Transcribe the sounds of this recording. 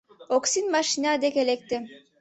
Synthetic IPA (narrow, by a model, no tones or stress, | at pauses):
oksinmaʃinʲad̪ekelek̚t̪ɪ